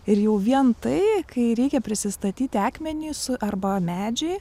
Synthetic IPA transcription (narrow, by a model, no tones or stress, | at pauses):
ɪɾjɛʊʋʲiɛnt̪ɐɪkʰɐɪɾʲɛɪkʲɛpʲɾʲɪsʲɪst̪ɐt̪ʲiːt̪ʲɪɑːkmʲɛnʲisɐrbɐmʲæːd͡ʒʲɛɪ